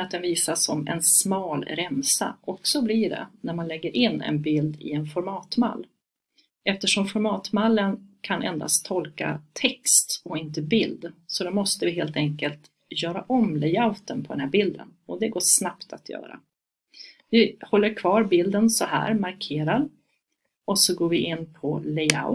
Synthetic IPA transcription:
at̪̚d̪ɛnviːsasːɔmɛ̰nsmɑːlɾɛmsa̰ʔɔksɔbliɖɛ̰næɾmanlɛɡːəɾʔɪnːɛ̰nbɪld̪ɪ̰ɛnfɔɾmɑːt̪ma̰lː | ɛft̪əʂɔmfɔɾmɑːt̪malːənkʰanʔɛ̰nd̪a̰st̪ʰɔlka̰t̪ʰɛkst̪ɔɪnt̪əbɪld̪sɔd̪ɛmɔst̪əvɪɦeːlt̪ɛŋkəlt̪ | jœːɾaʔɔmlɛjaʊt̪ənpʰɔd̪ɛnhæɾbɪld̪ə̰nɔd̪ɛɡoːʂnapt̪ʰat̪ʰjœ̰ːɾa̰ | vɪhɔlːəɾkʰvɑːɾbɪld̪ənsɔhæ̰ːɾmaɾkʰeːɾaɾ | ɔsɔɡoːɾvɪʔɪnːpʰɔlɛja̰ʊ

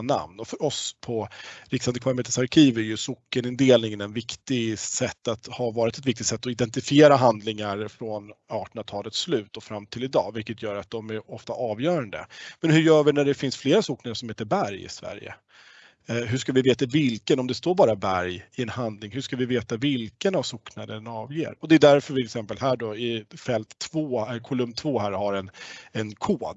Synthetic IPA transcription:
na̰mnɔfœɾɔspʰɔɾɪksand̪əkʰvaɾmeːt̪əsaɾkʰiːvæɾjɵsʊkːənɪnd̪eːlnɪŋənɛnvɪkt̪ɪɡsɛt̪ːat̪havɑːɾɪt̪ɛt̪vɪk̚t̪ɪt̪sɛt̪ːɔɪd̪ɛnt̪ɪfɪeːɾaɦand̪lɪŋaɾfɾɔnɑːʈəɳat̪ʰɑːlət̪slʉ̟ːt̪ɔfɾamːt̪ʰɪlɪd̪ɑ̰ːvɪlkːət̪ʰjœːɾat̪̚d̪ɔmæɾɔft̪aʔɑːvjœːɾand̪ə̰mɛnhɵjœːvɪnæɖɛfɪnsfleːɾasuːknad̪əʂɔmheːt̪əɾbæɾjɪ̰svæ̰ɾjə̰ | ɦɵʂkavɪveːt̪avɪlkənɔmd̪ɛst̪oːɾbɑːɾabæɾjɪɛnhand̪lɪŋɦɵʂkavɪveːt̪avɪlkənavsuːknad̪ənɑːvjḛːɾɔd̪ɛd̪æɾfœɾvɪɛksɛmpəlɦæːɖɔɪfɛlt̪ʰːvoːɛkʰɔlɵmːt̪ʰvoːɦæːɾhaɾɛnɛnkʰoːd̪

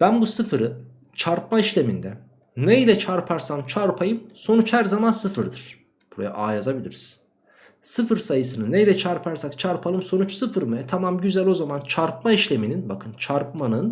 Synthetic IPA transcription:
b̥ænbusɯfɯɾɯ | t͡ʃʰaɾpmaiʃlʲe̞mind̪ɛ | neilʲɛt͡ʃʰaɾpʰaɾsant͡ʃʰaɾpʰajɯmso̞nut͡ʃhæɾzamansɯfɯɾd̪ɯɾ̥ | b̥uɾa̰ja̰ʔaːjazabilʲḭɾiz̥ | sɯfɯɾsajɯsɯnɯnejilʲɛt͡ʃʰaɾpʰaɾsakt͡ʃʰaɾpʰalˠɯmso̞nut͡ʃsɯfɯɾmɯɛt̪ʰamamɟyzælʲo̞zamant͡ʃʰaɾp̚maiʃlʲe̞mininbakʰɯnt͡ʃʰaɾpmanɯn

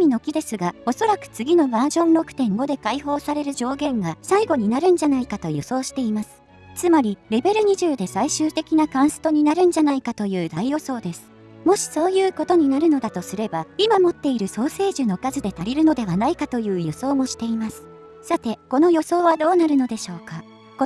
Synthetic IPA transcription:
mʲino̞kʲid̪e̞sɨɡao̞so̞ɾakɯ̟̥t͡sɨɡʲino̞maːʑõ̞nɾo̞kɯ̥t̪ẽ̞ŋɡo̞d̪e̞kaiho̞ːsaɾe̞ɾɯ̟ʑo̞ːɡẽ̞ŋɡasaiɡo̞ɲ̟inaɾɯ̟̃ɲ̟d͡ʑanaikat̪o̞jo̞so̞ːɕi̥t̪e̞imasɨ̥ | t͡sɨmaɾʲiɾe̞be̞ɾɯ̟ɲ̟iʑɨːd̪e̞saiɕɨːt̪e̞kʲinakãɰ̃sɨ̥t̪o̞ɲ̟inaɾɯ̟̃ɲ̟d͡ʑanaikat̪o̞jɯ̟ːd̪aijo̞so̞ːd̪e̞sɨ̥ | mo̞ɕi̥so̞ːjɯ̟ːko̞t̪o̞ɲ̟inaɾɯ̟no̞d̪at̪o̞sɨɾe̞baimamo̞t̪ːe̞iɾɯ̟so̞ːse̞ːʑɨno̞kazɨd̪e̞t̪aɾʲiɾɯ̟no̞d̪e̞β̞anaikat̪o̞jɯ̟ːjo̞so̞ːmo̞ɕi̥t̪e̞imasɨ̥ | sat̪e̞ko̞no̞jo̞so̞ːβad̪o̞ːnaɾɯ̟no̞d̪e̞ɕo̞ːka

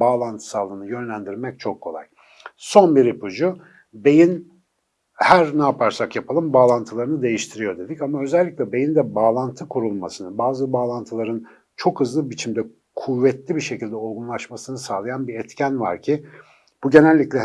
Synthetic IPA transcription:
baːlˠant̪ʰɯ̥saːlˠɯːnɯjø̞nlʲænd̪iɾmɛc̚t͡ʃʰo̞kʰːo̞lˠa̰j | so̞nbiɾipʰud͡ʒu | be̞jin | hæɾnaːpʰaɾsakjapʰalˠɯmbaːlˠant̪ʰɯlˠaɾɯnɯd̪e̞jiʃt̪ʰiɾijo̞d̪e̞d̪icamaø̞zɛlʲːiclʲɛbe̞jind̪ɛbaːlˠant̪ʰɯkʰuɾulˠmasɯnɯbaːzɯbaːlˠant̪ʰɯlˠaɾɯn | t͡ʃʰo̞khɯzlˠɯbit͡ʃʰimd̪ɛ | kʰuvːɛt̪lʲibiʃecilʲd̪ɛolˠɡunlˠaʃmasɯnɯsaːlˠajanbiɾɛt̪cʰænva̰ɾcʰi | b̥uɟe̞nælʲːiclʲɛ

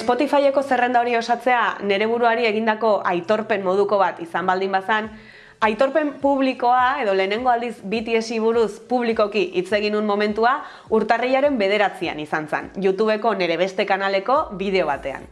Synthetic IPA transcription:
espo̞t̪ifajeko̞se̞re̞nd̪ao̞ɾio̞sat͡se̞ane̞ɾe̞β̞uɾuaɾie̞ɣ̞ind̪ako̞ʔajt̪o̞ɾpe̞mmo̞ð̞uko̞βat̪isambald̪imbasan | ajt̪o̞ɾpe̞mpuβ̞liko̞ae̞ð̞o̞le̞ːne̞ŋɡo̞ald̪isbit̪iesiβuɾuspuβliko̞kiʔit͡se̞ɣ̞inunmo̞mẽ̞nt̪ua | uɾt̪ariʎaɾe̞mbe̞ð̞e̞ɾat͡sia̰nisansḛnʝut̪uβ̞e̞ko̞ne̞ɾe̞β̞e̞st̪e̞kanale̞ko̞βiðe̞o̞βat̪e̞a̰n

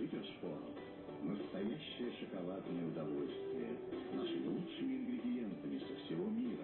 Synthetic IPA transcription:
itʲɪrspoɾə̰m | nəsst̪ɐjaɕːɪjəʂəkɐlˠad̪nəjəʊd̪ɐvolʲst̪vʲɪ̰jə̰naʂɨmʲɪlˠutʂɨmʲɪɪnɡɾʲɪdʲɪent̪əmʲɪsəfsʲɪvomʲiɾə

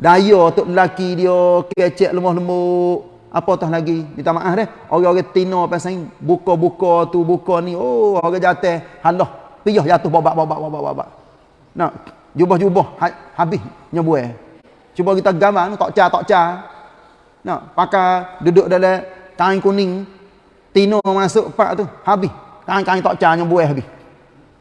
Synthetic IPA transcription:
dajɔt̪ʊʔləlakidiɔkkɛt͡ʃɛʔləmɔɦləmoʔ | ʔapɔt̪ɔɦlaɡimit̪amaʔahdɛh | oɣɛoɣɛt̪inɔpɛsaiŋbukɔbukɔt̪ubukɔniooɣɛd͡ʒat̪ɛhhalɔhpijɔhd͡ʒat̪ʊhbɔbaʔbaʔbaʔbaʔbaʔba̰ʔba̰ʔ | nɔh | d͡ʒubɔhd͡ʒubɔhhahabɪhɲɔbuɛ | t͡ʃubɔɡit̪aɡamanut̪ɔʔt͡ʃat̪ɔʔt͡ʃa | nɔhpakadudʊʔdalɛkaiŋkunɪŋ | t̪inɔməmasʊʔpa̰ʔt̪uhabɪhkaiŋkaiŋt̪ɔʔt͡ʃaɲɔbuɛɦabɪh

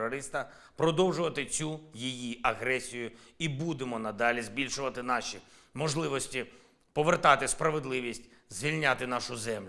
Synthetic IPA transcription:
ɔɾɪst̪ɐ | pɾɔd̪ɔwʒʊʋɐt̪ɪt͡sʲujijiɐɦɾɛsʲijʊibud̪emɔnɐd̪ɑlʲizʲbʲilʲʃʊʋɐt̪ɪnɑʃʲi | mɔʒlˠɪʋɔsʲtʲi | pɔʋert̪ɑt̪ɪspɾɐʋed̪lˠɪʋʲisʲtʲ | zʋʲilʲnʲat̪ɪnɑʃʊzɛmlʲ

